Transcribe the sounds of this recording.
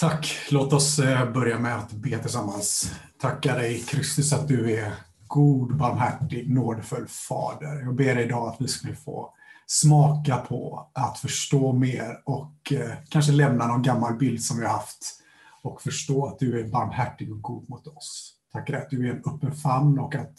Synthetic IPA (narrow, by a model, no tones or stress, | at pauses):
t̪ʰakːloːt̪ɔsbœɾjamɛat̪beːt̪ʰɪlsamːanst̪ʰakːad̪ɛjkʰɾʏst̪ʏsat̪̚d̪ɵæɾ | ɡuːd̪baɾmɦæʈːɪɡnoːd̪əfɵlːfɑ̰ːd̪əɾjɑːɡ̚beːɖɛjɪd̪ɑːat̪vɪskakɪlːfo̰ː | smɑːkapʰɔ̰at̪fœʂʈoːmeːɾɔkkʰːanʂ̬əlɛmnanɔnɡamːalbɪld̪sɔmvɪhaɾhaft̪ | ɔkfœʂʈoːat̪̚d̪ɵæɾbaɾmhæʈːɪɡɔk̚ɡuːd̪mʊt̪ɔst̪ʰakːad̪ɛjat̪̚d̪ɵæɾɛnɵpːənfanːɔkːat̪